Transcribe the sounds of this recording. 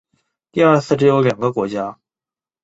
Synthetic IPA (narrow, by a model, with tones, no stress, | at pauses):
t̪i˥˧ə˞˥˧sʰɹ̩˥˩ʈ͡ʂɻ̩˧˥jo˧˥ʊljɑ˨˩ŋɡə˦kwɔ˧˥t͡ɕja˥